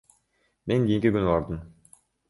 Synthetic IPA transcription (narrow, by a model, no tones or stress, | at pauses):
me̞ŋɡʲijiŋkiɡynɑɾd̪ɯm